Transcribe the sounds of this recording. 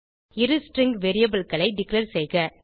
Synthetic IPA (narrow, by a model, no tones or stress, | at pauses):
ɪɾɯsʈɾɪŋɡʋeɾɪjɐbɐlkɐlɐɪɖɪklɐɾsɛjɣɐ